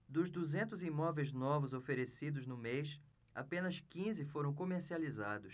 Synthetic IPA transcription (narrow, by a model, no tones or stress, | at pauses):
d̪ʊzd̪uzẽnt̪ʊzimɔvejznɔvʊzofeɾesid̪ʊznʊmejʃ | a̰pẽnɐskĩzɪfoɾɐ̃w̃komeɾsializad̪ʊs